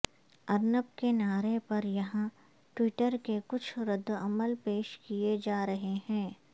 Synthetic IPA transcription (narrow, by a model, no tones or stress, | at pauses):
ɐɾnəp̚kenaːɾepɐɾjɐɦã | ʈwiːʈəɾkekʊt͡ʃʰɾɪd̪ːɐməlpeːʃkied͡ʒaːɾɐɦeɦɛ̃ː